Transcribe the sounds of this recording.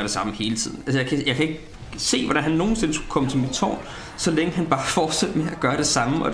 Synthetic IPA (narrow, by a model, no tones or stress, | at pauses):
ɐɾ̥e̝sɑ̈məhe̝ːlət͡sʰið̞̰ˠn̩ʔælsəjɑɪkʰæjɑ̈ɪkʰæe̝ɡ̥ | se̝̰ːʋɒɾænɦænːo̝ːn̩se̝nəsɡ̥u̥kʰɒ̽mət͡sʰe̝lmid̥t͡sʰɒ̰ːn | sɒ̽leŋəhænb̥ɑ̈ːfɒːd̥sed̥meæɡ̥ɶːɐɾ̥e̝sɑ̈məɒ̽